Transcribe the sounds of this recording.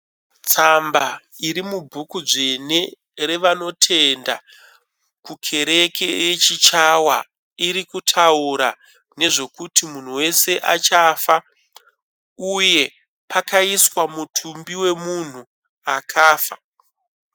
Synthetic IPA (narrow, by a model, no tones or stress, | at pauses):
t͡samba | iɾimubʱukud͡ʐe̞ne̞ | ɾe̞ʋano̞tʰe̞nda | kukʰe̞ɾe̞ke̞jet͡ʃit͡ʃawa̰ | iɾikutʰauɾa | ne̞ʐe̞kutimun̤uwe̞se̞ʔat͡ʃafa | uje̞ | pakaiswamutʰumbiwe̞mun̤u | akʰaːfa